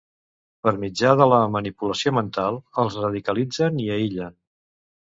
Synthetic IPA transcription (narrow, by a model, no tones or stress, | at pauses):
pəɾmid͡ʒaðələmənipuləsiomənt̪alˠəlˠzrəð̞ikəlid͡zəniəiʎən